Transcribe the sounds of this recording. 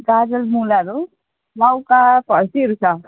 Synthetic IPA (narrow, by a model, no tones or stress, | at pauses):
ɡad͡zʌlmulaɾu | bawkapʌɾsiʌɾut͡sʰʌ